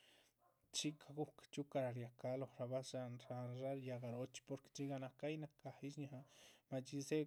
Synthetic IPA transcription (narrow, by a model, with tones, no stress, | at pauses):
t͡ʃi˦kʰa˧ɡu˦kḁt͡ʃu˦ka˧ɾa˨ɾja˨ka˦lo˨hɾa˧ba˦ʃa˧nɾa˧ɾa˦ɾja˧ɡa˨ɾo˦t͡ʃpo˧ɾke̥t͡ʃi˦ɡa˧na˧ka˦jna˧ka˨i˦ʃɲa˨a˧ma˧t͡ʃi˧se˦